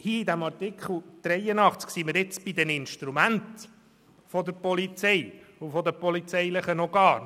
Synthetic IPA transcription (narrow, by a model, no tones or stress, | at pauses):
hiːid̪æmɑɾtikχl̩ˠd̪̥ɾɛjənɑχt͡sksiməɾɪt͡sb̥id̪ɛnɪnʃtɾumænt̪ | fɔd̪əɾpɔlit͡sɛjufɔd̪əpɔlit͡sɛjləχənɔɡ̥ɑːɾ